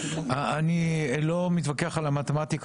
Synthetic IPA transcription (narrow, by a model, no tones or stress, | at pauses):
aanilomit̪vakeaχalamat̪emat̪ik